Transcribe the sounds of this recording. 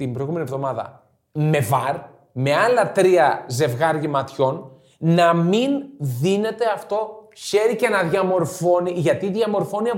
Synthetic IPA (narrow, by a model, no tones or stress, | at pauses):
t̪imbɾojɣume̞nievðo̞mɐðɐ̰ | me̞vɐɾ | me̞ɐlɐt̪ɾiɐze̞vɣɐɾɣimɐt̪ço̞n | nɐminðine̞t̪e̞ɐft̪o̞çe̞ɾice̞nɐðʝɐmo̞ɾfo̞niʝɐt̪iðʝɐmo̞ɾfo̞niɐ